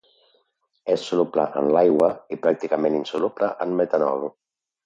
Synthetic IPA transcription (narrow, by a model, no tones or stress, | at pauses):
esːulupla̰ʔə̰nlajɣwaipɾak̚t̪ikameninsuluplaʔənmet̪anɔ̰ɾu